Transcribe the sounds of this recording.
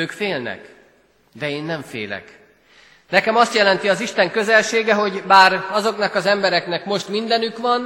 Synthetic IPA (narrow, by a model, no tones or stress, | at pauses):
øːkfeːlnɛ̰k | d̪ɛeːnːɛɱfḛːlɛ̰k | nɛkɛmɒst̪jɛlɛnt̪iɒziʃt̪ɛŋkø̞zɛlʃeːɡɛɦo̞ɟbaːɾɒzo̞knɒkɒzɛmbɛɾɛknɛkmo̞ʃt̪mind̪ɛnykʋɒn